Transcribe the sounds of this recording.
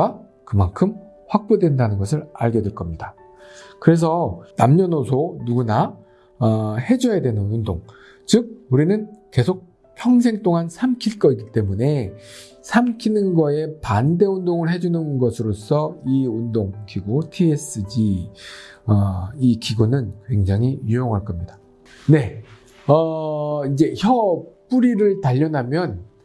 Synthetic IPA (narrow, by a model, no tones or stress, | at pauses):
a | kɯmankʰɯm | ɸwak̚p͈odwe̞ndanɯnɡʌsʰɯɾaɭɡedweɭk͈ʌmɲida | kɯɾe̞s̬ʰʌnamɲʌnosʰonuɡuna | he̞d͡ʑʌjadwe̞nɯnundoŋ | t͡ɕɯk̚uɾinɯnke̞sʰok̚ | çjʌŋs̬ʰe̞ŋt͈oŋansʰamkʰiɭk͈ʌiɡit͈e̞mune̞ | sʰamkʰinɯnɡʌe̞pande̞undoŋɯɭɦe̞d͡ʑunɯnɡʌsʰɯɾosʰʌiundoŋkiɡotʰies͈ɯd͡ʑi | ʌikiɡonɯnkwe̞ŋd͡ʑaŋijujoŋɦaɭk͈ʌmɲida | ne̞ | ʌind͡ʑe̞çjʌp͈uɾiɾɯɭtaʎːʌnamjʌn